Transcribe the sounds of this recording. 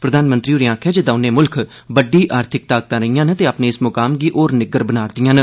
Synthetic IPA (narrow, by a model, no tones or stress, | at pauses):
pɾəd̪aːnmə̃nt̪ɾiːoɾiãːkʰɛːd͡ʒəd̪aːʊnẽːmʊlkʰ | bəɖiːʔaːɾt̪ʰɪk̚t̪aːɡ̚t̪ãːɾəijãːnət̪eːaːpneːɪsmʊkaːmɡiːʔoːɾnɪɡəɾbənaːɾd̪ɪjãːn